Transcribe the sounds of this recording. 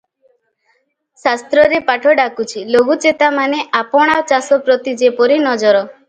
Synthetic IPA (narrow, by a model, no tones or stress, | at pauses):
sast̪ɾɔɾepaʈʰɔɖakut͡ʃʰiloɡut͡ʃet̪amaneʔapɔɽ̃awt͡ʃasɔpɾɔt̪id͡ʒepɔɾinɔd͡ʒɔɾɔ